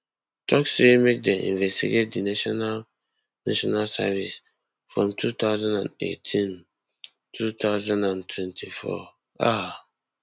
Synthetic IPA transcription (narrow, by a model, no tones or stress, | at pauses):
tʰɔksemẽk̚dɛʔḭ̃nvɛstiɡet̚dinaʃɔnal | naʃɔnalsa̰vis | fɹɔ̃mtʰut̪ʰaʊzãndãnḛtʰĩn | tʰut̪ʰaʊzãndãntʰwɛ̃ntʰifɔ̰ | a